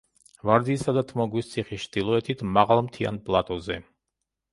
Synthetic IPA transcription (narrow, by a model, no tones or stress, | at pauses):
vaɾd̪iːsad̪at̪ʰmɔɡwist̪sʰiχist͡ʃʰd̪̥ilˠɔɛt̪ʰit̪ʰmaʁalˠmt̪ʰia̰npʼlˠat̪ʼɔzɛ